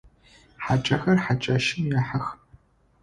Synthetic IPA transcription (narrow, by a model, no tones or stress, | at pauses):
ħat͡ʃʼɐxɐrħat͡ʃʼaʃɪmjaħax